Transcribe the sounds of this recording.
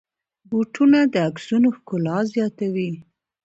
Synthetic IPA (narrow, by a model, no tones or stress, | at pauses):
buʈʰunad̪əaksunoxkʊlɑzjɑt̪awi